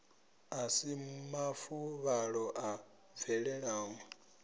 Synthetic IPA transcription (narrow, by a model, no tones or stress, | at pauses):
asimafuβaɺɔʔa | vɛɺɛɺaːŋɔ